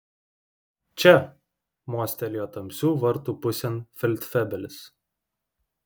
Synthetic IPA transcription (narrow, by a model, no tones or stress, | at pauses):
t͡ʃʲɛ | muɔsʲt̪ʲɛlʲɪjoːt̪ɐmʲsʲuːʋɐɾt̪uːpʊsʲɛnfʲɪlʲt̪ʲfʲɛbʲɛlʲɪs